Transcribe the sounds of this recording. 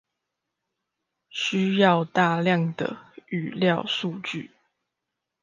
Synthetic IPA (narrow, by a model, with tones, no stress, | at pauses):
ɕy˥jɑ˥˧ʊt̪a˥˨ljɑ˥˨ŋd̪ə̰˩y˨˩ljɑ˥˨ʊsu˥˧t͡ɕy̰˥˨